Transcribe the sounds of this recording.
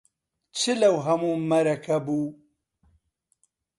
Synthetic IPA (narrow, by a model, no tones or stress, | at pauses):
t͡sʰilɐwɦɐmũmɐɾɐkɐbu